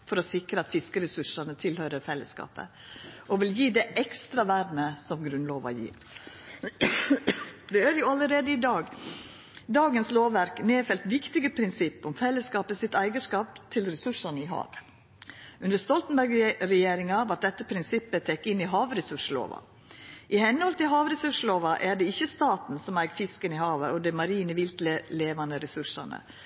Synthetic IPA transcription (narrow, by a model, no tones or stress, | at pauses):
fɔɾɔsɪkɾəɑt̪fɪskəɾɛsʉʂɑnət̪ʰɪlhœʏɾəfɛlːə̰skɑ̰ːpə̰ | ʔɔʋɪljiːd̪ɛʔɛkst̪ɾɑʋæːɾnəsɔmɡɾʉnloːʋɑ̰jḭːɾ | d̪ɛæɾjʊɑləɾeːd̪əɪd̪ɑːɡ | d̪ɑːɡənsloːʋːæɾkneːfɛlt̪ʋɪkt̪ɪɡəpʰɾɪnsɪpːɔmfɛlːəskɑːpəsɪt̪æɪɡəʂkɑːpt̪ʰɪlɾɛsʉʂɑnəɪɦɑ̰ːʋə | ʉnd̪əɾst̪ɔlt̪n̩bæɾɡɾɛjeːɾɪŋɑʋɑʈ̪̚d̪ɛt̪ːəpʰɾɪnsɪpːət̪ʰɛkːɪnːɪɦɑːʋɾɛsʉʂlo̰ːʋɑ̰ | ʔɪhɛnhɔlt̪ʰɪlɦɑːʋɾɛsʉʂloːʋɑʔæɖɛɪçːəst̪ɑːt̪n̩sɔmæɪɡfɪskənɪhɑːʋəʔɔd̪ɛmɑɾiːnəʋɪlt̪ləleːʋɑnəɾɛsʉʂɑ̰nə̰